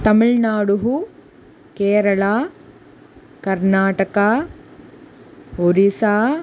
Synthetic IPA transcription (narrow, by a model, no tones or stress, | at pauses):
t̪ɐmiɭnaːɽuɦu | keːɾɐɭaː | kɐɾnaːʈɐkaː | oɾisaː